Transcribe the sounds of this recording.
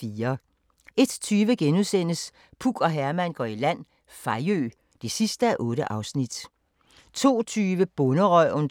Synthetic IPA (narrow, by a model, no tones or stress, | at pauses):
iːɐ | e̝d̥t͡sʰyːʋəɡ̥enuðˠsen̰əs | pʰuɡ̥ɒ̽ɦæɐmæn̰ɡ̥ɒ̰ːilæn̰ | fɑ̈ɪø̰ː | d̥e̝sisd̥əæʔɔ̽ːɾəʔɑ̈ʊsnid̥ | t͡sʰo̝̰ːt͡sʰyːʋəb̥ɔ̽nəʁœn